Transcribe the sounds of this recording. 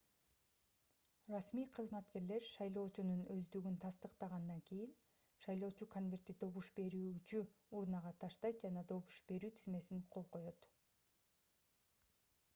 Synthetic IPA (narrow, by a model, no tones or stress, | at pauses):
rɑsmiːqʰɯzmɑt̪ke̞ɾle̞ɾʃɑjlˠo̞ːt͡ʃununø̞zd̪yɡynt̪ʰɑst̪ɯqt̪ɑʁɑnd̪ɑŋkijin | ʃɑjlˠo̞ːt͡ʃukʰonvʲe̞rt̪ːid̪o̞βuʃbe̞ɾyːt͡ʃyuɾnɑʁɑt̪ʰɑʃt̪ɑjt̪̚d͡ʒɑnɑd̪o̞βuʃbe̞ɾyːt̪ʰizme̞siŋqʰo̞lˠqo̞jo̞t̪